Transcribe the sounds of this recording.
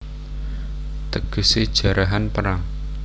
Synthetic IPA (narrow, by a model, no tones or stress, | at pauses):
t̪əɡ̥ə̤sed̥ʒ̥ä̤ɾʔaɦanpəɾaŋ